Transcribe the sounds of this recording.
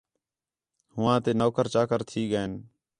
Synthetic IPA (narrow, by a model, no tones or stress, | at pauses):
hʊʋãːt̪eːnoːkəɾt͡ʃaːkəɾt̪ʰiːɡəeːn